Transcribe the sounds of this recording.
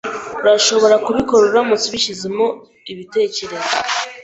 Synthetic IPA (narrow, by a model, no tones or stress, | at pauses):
uɾaʃo̞βo̞ɾakuβiko̞ɾoɾamut͡siβiʃizimo̞ | iβite̞ːce̞ɾe̞za̰